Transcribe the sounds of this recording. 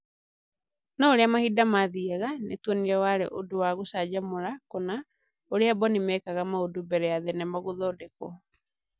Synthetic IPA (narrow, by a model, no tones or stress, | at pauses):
nɔoɾeamahidamaðiɛɣanḛtwɔniɾɛwaɾḛʔodowaɣosad͡ʑamoɾakɔna | oɾeabɔnimɛːkaɣamaodobɛɾɛjaðɛnɛmaɣoðɔːdekɔ